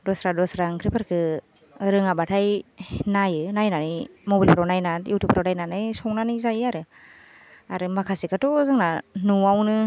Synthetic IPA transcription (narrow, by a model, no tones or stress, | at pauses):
dɔsɾadɔsɾaŋkʰɾipʰaɾkʰɯ | ɾɯŋabatʰajnajɯnajnanɯjmobilpʰɾawnajnajuwtupʰɯɾawnajnanɯjsɔŋnanɯzajaɾɯ | aɾɯmakʰasikʰatɔzɯŋnanuawnɯ